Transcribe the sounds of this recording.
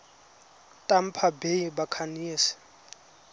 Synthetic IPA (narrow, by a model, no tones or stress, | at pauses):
tʼam̩pʰabeibakʰanisɪ̥